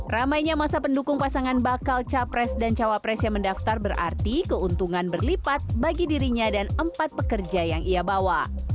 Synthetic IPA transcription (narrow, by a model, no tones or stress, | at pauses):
ramajɲamasapəndukʊŋpasaŋanbakalt͡ʃapɾɛsdant͡ʃawapɾɛsjaŋməndaft̪arbəɾʔa̰rt̪ikəunt̪uŋanbərlipat̪̚baɡidiɾiɲadanəmpat̪̚pəkərd͡ʒajaŋiabawa